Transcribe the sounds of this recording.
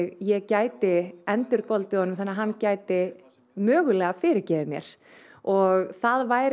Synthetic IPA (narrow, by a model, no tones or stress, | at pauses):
ɣjɛɣcaːjt̪ɪɛnt̪ʏɾkɔlt̪ɪhɔnːʏmθaɛnːaɦanːcaːjt̪ɪ | mœːɣʏlɛːɣafɪːɾɪɾcɛːvɪmjɛ̰ɾ̥ | ɔɣθaðvaːjɾ